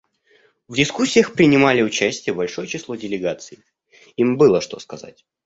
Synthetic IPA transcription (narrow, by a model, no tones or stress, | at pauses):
vdʲɪskusʲːɪjəxpɾʲɪnʲɪmalʲɪʊt͡ɕæsʲtʲɪjəbɐlʲʂo̞jət͡ɕɪslˠo̞dʲɪlʲɪɡat̪sɨɪ | imbɨlˠəʂt̪o̞skɐza̰tʲ